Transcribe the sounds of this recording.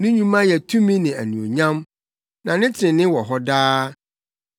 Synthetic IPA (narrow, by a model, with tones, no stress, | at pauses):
nʊ̃˦ɲũ˨mã˦jɛ˨tʰũ˦mĩ˦nɪ̃˨æ̰˨nũ˨o̰˨ɲã˦m | nã˨nɪ̃˦t͡ɕʰɪ̃˨nɪ̃˦wɔ˨ɦɔ˦daː˦